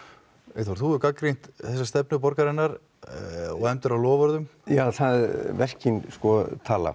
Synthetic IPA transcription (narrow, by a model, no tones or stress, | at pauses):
ɛθvaɾ̥θuʏkakɾejn̥t̪θɛsast̪ɛp̚nʏp̬ɔɾkaɾɛnːaɾ | ɔɣɛmt̪ʏɾawlɔːvɔɾðʏmjaːθaðvɛr̥cinskɔt̪ʰaːla̰